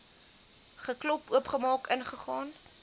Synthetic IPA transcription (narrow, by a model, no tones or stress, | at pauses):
χəklɔpuəpχəmɑːkənχəχɑːn